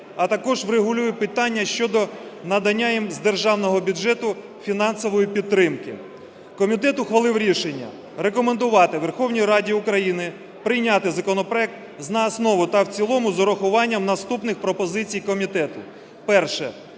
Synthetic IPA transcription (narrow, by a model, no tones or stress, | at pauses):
ɐt̪ɐkɔʒʋɾeɦʊlʲujɛpɪt̪ɑnʲːɐʃt͡ʃɔd̪ɔnɐd̪ɐnʲːajimzd̪erʒɑwnɔɦɔbʲʊdd͡ʒɛt̪ʊ | fʲinɑnsɔʋɔjipʲid̪̚t̪ːɾɪmkɪ̰ | kɔmʲit̪ɛt̪ʊxʋɐlˠɪwɾʲiʃenʲːɐ̰ | rekɔmend̪ʊʋɑt̪ɪʋerxɔwnʲijɾɑdʲiʊkɾɐjinɪ | pɾɪjnʲat̪ɪzɐkɔnɔpɾɔɛk̚t̪ | znɐːsnɔʋʊt̪ɐwt͡sʲilˠɔmʊzɔɾɔxʊʋɑnʲːɐmnɐst̪upnɪxpɾɔpɔzɪt͡sʲijkɔmʲit̪ɛt̪ʊ | pɛrʃɛ̰